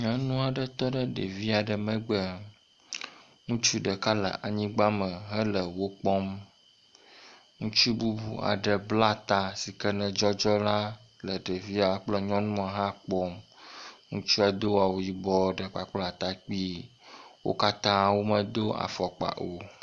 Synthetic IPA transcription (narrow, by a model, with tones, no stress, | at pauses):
ɲɔ̃˦nũ˦a˨ɖə˦t̪ɔ˦ɖə˦ɖḛ˨vi˦a˨ɖə˨mə̃˦ɡ͡bə˨ | ŋũ˦t͡ʃu˦ɖə˨ka˦lə̰˨ʔa˨ɲĩ˦ɡ͡ba˦mə̃˨ɦə˦lə˨wo˦k͡pɔ˦m | ŋũ˦t͡ʃu˦bu˦bu˨a̰˨ɖə˨bla˦t̪a˨si˨kə˦nə̃˨d͡ʒɔ˦d͡ʒɔ˦la˦ | lə˨ɖe˨vi˦a˨˦k͡plə˦ɲɔ̃˦nũ˦a˨ɦã˦k͡pɔ˦m | ŋũ˦t͡ʃu˦a˨d̪o˦wa˨wo˨ji˨bɔ˦ɖə˨k͡pa˨k͡pla˨t̪a˨k͡pi˦ | wo̰˦ka˦t̪ã˦wo˦mə˨d̪o˦a̰˨fɔ˨k͡pa̰˨ʔo˨